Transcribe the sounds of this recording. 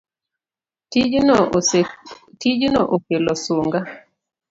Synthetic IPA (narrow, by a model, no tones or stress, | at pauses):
tid͡ʒnoʔokelɔsoŋɡa